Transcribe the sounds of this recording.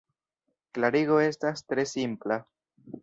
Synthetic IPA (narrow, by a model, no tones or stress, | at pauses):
klaɾiɡoe̞stastɾe̞simpla